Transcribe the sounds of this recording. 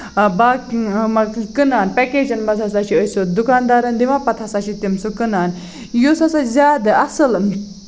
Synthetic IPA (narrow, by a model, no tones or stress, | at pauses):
bamɐkɨnaːnpɛkeːd͡ʒɐnbɐd͡zʱasaʃiəsot̪̚d̪ukaːnd̪aːɾɐnd̪iʋapɐt̪ʰasaʃit̪imsukɨnaːn | josɐsazʲaːd̪ɨɐsɨl